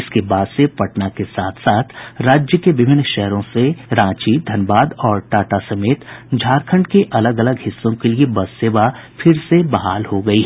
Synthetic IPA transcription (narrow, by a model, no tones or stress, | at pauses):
ɪskebaːd̪sepɐʈnakesaːt̪ʰsaːt̪ʰɾaːd͡ʒjəkeʋɪbʱɪnʃɛɦɾõseɾãːt͡ʃid̪ʱɐnbaːd̪ɔːɾʈaːʈasɐmeːt̪d͡ʒʱaːɾkʰə̃ɳɖkeʔɐləɡɐləɡɦɪsːõkeliebɐdseːʋafʰɪɾsebɐɦaːlɦoɡɐiːɦɛ